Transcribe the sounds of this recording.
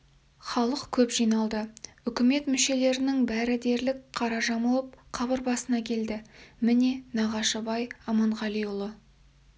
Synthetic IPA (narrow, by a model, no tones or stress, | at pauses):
χɑlˠəqkʲʰɵpʒ̥ijnɑlˠd̪əʏkʲɪme̞t̪mʏʃe̞le̞ɾɪnɪŋbæɾɪd̪e̞ɾlɪkqʰɑɾɑʒɑməlˠəp̚qʰɑbəɾbɑsənɑkʲʰe̞ld̪ɪmɪne̞nɑʁɑʃəbɑjɑmɑɴʁɑlijʊlˠə